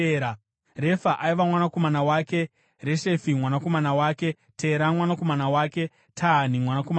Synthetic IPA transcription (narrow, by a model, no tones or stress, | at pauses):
ɾa | re̞faʔaiʋamwanako̞manawake̞ | re̞ʃe̞fimwanako̞manawaːke̞ | tʰe̞ɾamwanako̞manawaːke | tʰanimwanakoma